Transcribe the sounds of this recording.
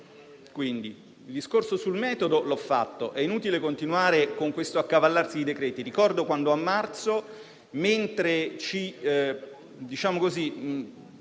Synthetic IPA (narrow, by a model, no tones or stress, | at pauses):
kwind̪i | ild̪iskorsosulmɛːt̪od̪olɔfːa̰t̪ːoʔɛinuːt̪ilekont̪inuaːɾekoŋkwest̪oakːavalːarsid̪id̪ekɾɛːt̪iɾikɔrd̪okwand̪oamːart̪so | ment̪ɾet͡ʃi | d̪it͡ʃaːmokozi